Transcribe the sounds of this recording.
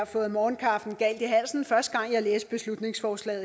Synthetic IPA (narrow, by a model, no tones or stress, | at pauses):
ɑfɔ̽ːð̩ˠmɒːnkʰɑ̈ːfd̥n̩ɡ̥æl̰d̥iɦæl̰sn̩fɶɐsd̥əɡ̥ɑ̈ŋ̰jɑ̈ɪleːsb̥e̝slud̥ne̝ŋsfɒːslɛ̰ːð̩ˠ